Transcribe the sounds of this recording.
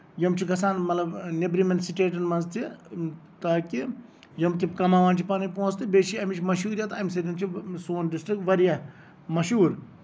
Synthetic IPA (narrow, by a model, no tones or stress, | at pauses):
jɐmt͡ʃʰikɐsaːnmɐt̪lɐbnebɾimɐnsiʈeːʈɐnmɐnzt̪ʰi | t̪aːki | jɐmkikɐmaːʋaːnt͡ʃʰipaːnipõːnt͡st̪ɨbeːʃiɐmit͡ʃʰmɐʃuːɾjaːt̪amiseɾint͡ʃʰisoːnɖisʈɾik̚ʈʋɐɾjaː | mɐʃuːɾ